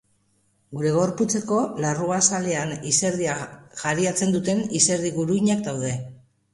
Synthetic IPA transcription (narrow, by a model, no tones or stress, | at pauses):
ɡuɾe̞ɣ̞o̞ɾput͡se̞ko̞laruasale̞anise̞ɾðiaʝaɾiat͡se̞nd̪ut̪e̞nise̞ɾðiɣuɾuiɲak̚d̪awðe̞